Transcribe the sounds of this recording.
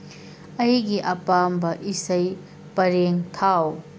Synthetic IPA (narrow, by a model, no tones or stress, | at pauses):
ɐjɡiʔɐpambɐʔisɐj | pɐɾeŋt̪ʰaw